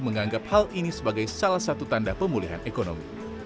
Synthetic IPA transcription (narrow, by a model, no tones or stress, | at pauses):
məŋaŋɡap̚halinisəbaɡajsalahsat̪ut̪andapəmuliɦa̰nʔekono̰mḭ